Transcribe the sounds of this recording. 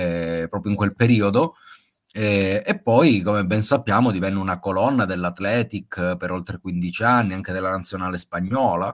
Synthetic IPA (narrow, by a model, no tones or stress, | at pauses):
ɛpɾɔːpɾjoiŋkwelpeɾiːod̪o | ɛepːɔjkomebːɛnsapːjaːmod̪ivɛnːeunakolɔnːad̪elːat̪lɛːt̪ikpeɾolt̪ɾekwind̪it͡ʃianːiaŋk̟ed̪elːanat̪sːjonaːlespaɲːɔːla